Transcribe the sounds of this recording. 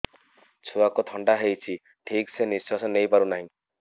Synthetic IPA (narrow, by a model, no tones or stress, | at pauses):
t͡ʃʰuakot̪ʰɔɳɖaɦejt͡ʃʰi | ʈʰikseniswasɔnejpaɾunaɦĩ